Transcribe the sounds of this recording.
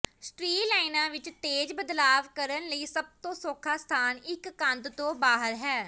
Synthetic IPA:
sʈɾiːlaːɪnãːʋɪt͡ʃt̪eːd͡ʒbəd̪laːʋkəɾənləiːsəb̚t̪õːsoːkʰaːst̪ʰaːnɪkːə̃nt̪t̪õːbaːɦəɾɦɛː

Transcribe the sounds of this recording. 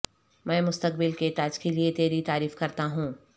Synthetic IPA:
mɛ̃ːmʊst̪ək̚bɪlket̪ad͡ʒkeliet̪eːɾit̪aːɾiːfkɐɾt̪aɦũː

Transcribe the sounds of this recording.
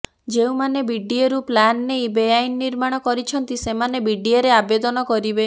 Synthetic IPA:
d͡ʒeũmanebiɖieɾuplanːejbejajnːiɾmaɽ̃ɔkɔɾit͡ʃʰɔnt̪isemanebiɖieɾeabed̪ɔnɔkɔɾibe

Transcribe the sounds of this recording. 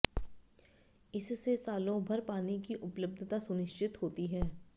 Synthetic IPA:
ɪssesaːlõbʱɐɾpaːnikiʔʊpləb̚d̪ʱt̪asʊnɪʃt͡ʃɪt̪ɦoːt̪iɦɛː

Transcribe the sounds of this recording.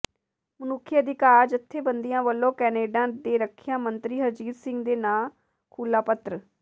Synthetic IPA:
mənʊkʰːiəd̪ɪkaːɾd͡ʒət̪ʰːeːbənd̪ijãːʋəlːõːkɛːneːɖãːd̪eːɾəkʰɪjãːmənt̪ɾiːɦəɾd͡ʒiːt̪sɪ̃ŋɡd̪eːnãː | kʰuːlaːpət̪ɾ

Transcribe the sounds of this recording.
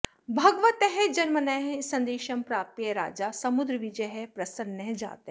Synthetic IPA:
bʱɐɡʋɐt̪eɦed͡ʒɐnmɐnɐjɦsɐ̃nd̪eːʃɐmpɾaːpp̪jɐɾa̰ːd͡ʒasɐmud̪ɾəʋid͡ʒɐɦepɾɐsɐnːɐɦd͡ʒa̰ːt̪eɦe

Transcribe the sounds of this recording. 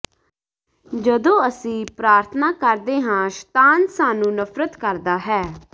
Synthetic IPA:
d͡ʒəd̪õːəsĩːpɾaːɾt̪ʰnaːkəɾd̪eːɦãːʃt̪aːnsaːnũːnəpʰɾət̪kəɾd̪aːɦɛː

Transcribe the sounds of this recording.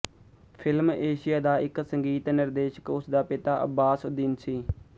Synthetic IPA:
pʰɪlmeːʃɪjaːd̪aːɪksəŋɡiːt̪nɪɾd̪eːʃə̥kʊsd̪aːpɪt̪aːʔə̰baːsd̪ɪnsiː

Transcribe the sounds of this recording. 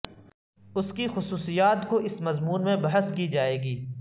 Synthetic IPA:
ʊskixʊsuːsijaːt̪koʔɪsmɐzmuːnmẽbɐɦəskid͡ʒaːeːɡiː

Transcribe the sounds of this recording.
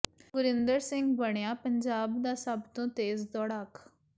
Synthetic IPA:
ɡʊɾɪnd̪əɾsɪŋɡbəɳjaːpəɲd͡ʒaːbd̪aːsəbt̪õːt̪eːzd̪ɔːɽaːkʰ

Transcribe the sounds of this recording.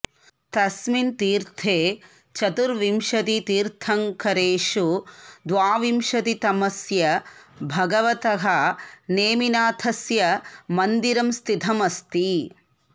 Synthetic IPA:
t̪ɐsmint̪iːɾt̪ʰeː | t͡ʃɐt̪uɾʋimʃɐt̪it̪iːɾt̪ʰɐŋkɐɾeːʂud̪ʋaːʋimʃɐt̪it̪ɐmɐsjɐbʱɐɡɐʋɐt̪ɐɦɐneːminaːt̪ʰɐsjɐmɐnd̪iɾɐmst̪ʰit̪ʰɐmɐst̪i

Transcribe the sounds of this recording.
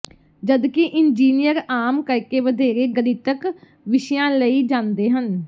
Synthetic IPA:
d͡ʒəd̪kɪʔɪnd͡ʒiːnɪjəɾaːmkəɾkeːʋəd̪eːɾeːɡəd̪iːt̪ək | ʋɪʃjãːləiːd͡ʒãːnd̪eːɦən

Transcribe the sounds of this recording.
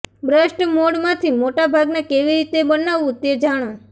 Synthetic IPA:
bɾəʃʈəmoɽmãt̪ʰimoʈabʱaɡnekeʋiɾit̪ebənaʋũt̪ed͡ʒaɽ̃õ

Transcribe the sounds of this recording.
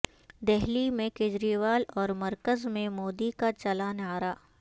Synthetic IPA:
d̪ɛɦlimẽkeːd͡ʒɾiːʋaːlɔːɾmɐɾkəzmẽmoːd̪ikat͡ʃɐlaːnaːɾaː

